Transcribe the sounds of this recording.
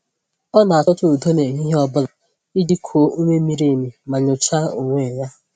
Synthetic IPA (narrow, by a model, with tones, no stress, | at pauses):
ɔ˦na˨a˨tɔ˦tʊ˦u˨to˦ne˨ɲi˦ɦe˦ɔ˦bʊ˦la˨ | i˦di˦kʰo˨˦u˦ŋʷe˦mi˦ɾe˦˨mi˨ma˨ɲʊ˨t͡ʃa˦o˨ŋʷe˦˨ja˦